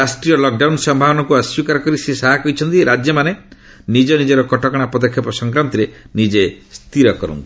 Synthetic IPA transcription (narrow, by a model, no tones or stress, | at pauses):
ɾasʈɾijɔlɔk̚ɖawnsɔmbʱabɔnɔkuɔswikaɾɔkɔɾisesaɦakɔit͡ʃʰɔnt̪iɾad͡ʒjɔmane | nid͡ʒɔnid͡ʒeɾɔkɔʈɔkɔɽ̃apɔd̪ɔkʰːjɔpɔsɔŋkɾant̪iɾe | nid͡ʒest̪iɾɔkɔɾɔ̰nt̪ii